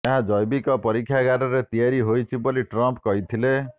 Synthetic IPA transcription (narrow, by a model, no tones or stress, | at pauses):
eɦãd͡ʒɔjbikɔpɔɾikʰːjaɡaɾɔɾet̪ijaɾiɦojt͡ʃʰiboliʈɾɔmpkɔɦit̪ʰile